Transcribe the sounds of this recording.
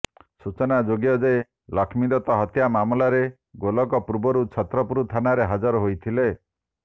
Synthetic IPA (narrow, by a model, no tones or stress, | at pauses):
sut͡ʃɔnad͡ʒoɡijɔd͡ʒee | lɔkʰmid̪ɔt̪ɔɦɔt̪jamamɔlaɾe | ɡolɔkɔpɾubɔɾut͡ʃʰɔt̪ɾɔpuɾut̪ʰanaɾeɦad͡ʒɔɾɔɦojt̪ʰile